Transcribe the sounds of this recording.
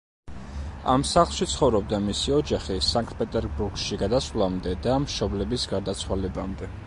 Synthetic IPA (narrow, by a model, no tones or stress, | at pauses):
a̰msaχlˠʃit̪sʰχɔvɾɔb̚d̪amisiɔd͡ʒaχisaŋk̚ʰʼt̪̚pʼɛt̪ʼɛɾbuɾɡʃiɡad̪aslˠamd̪ɛd̪amʃɔblɛbisɡaɾd̪at̪sʰwalɛbamd̪ɛ